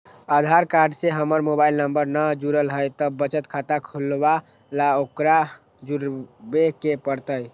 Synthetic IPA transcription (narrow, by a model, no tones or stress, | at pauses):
ad̪ʱaɾkaɾɖseɦəməɾmobailnəmbəɾnəd͡ʒuɾəlɦəjt̪ɔbət͡ʃət̪kʰat̪akʰulba | laokɾa | d͡ʒuɾbekepəɾt̪əj